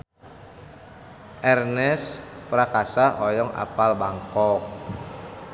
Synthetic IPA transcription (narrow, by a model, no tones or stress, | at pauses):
ʔɛrnɛspɾakasaʔɔjɔŋa̰palbaŋkɔk̚